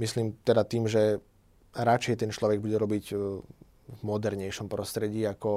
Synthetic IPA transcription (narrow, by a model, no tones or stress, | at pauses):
misliːmt̪ɛd̪at̪iːmʒɛ | ɾat͡ʃɛjt̪ɛnt͡ʃlɔʋɛɡ̚buɟɛɾɔbiɟ | vmɔd̪ɛɾɲɛjʃɔmpɾɔst̪ɾɛɟiːakɔ